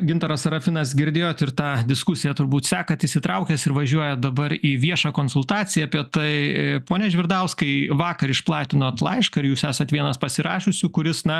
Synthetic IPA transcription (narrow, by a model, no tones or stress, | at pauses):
ɡʲɪnt̪ɐɾɐsɐɾɐfʲɪnɐsɡʲɪɾʲd̪ʲeːjoːt̪ɪɾt̪ɑːd̪ʲɪskʊsʲɪjɛt̪ʊɾbuːt̪sʲæːkɐt̪ɪsʲɪt̪ɾɐʊkʲɛsɪɾʋɐʒʲuɔjɛd̪ɐbɐɾiːʋʲiɛʃɑːkoːnsʊlˠt̪ɑːt͡s̪ʲɪjɛɐːpʲiɛt̪ɐɪpoːnʲɛʒʲʋʲɪɾd̪ɐʊskɐɪʋɑːkɐɾɪʃplˠɑːt̪ʲɪnoːt̪lˠɐ̰ɪʃkɐɪɾjuːsæːsɐt̪ʋʲiɛnɐspɐsʲɪɾɑːʃʲʊsʲʊkʊɾʲɪsnɐ